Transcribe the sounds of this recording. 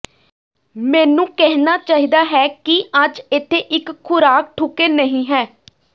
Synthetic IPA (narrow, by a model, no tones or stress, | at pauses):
mɛːnũːkɛɦnaːt͡ʃaːɦiːd̪aːɦɛːkɪəd͡ʒɪt̪ʰeːʔɪkʰːʊɾaːk̚ʈʰʊkeːnəɦĩːɦɛː